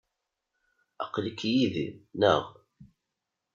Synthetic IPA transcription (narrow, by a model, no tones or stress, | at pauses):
ə̰qːlikːjiðḭnə̰ʁ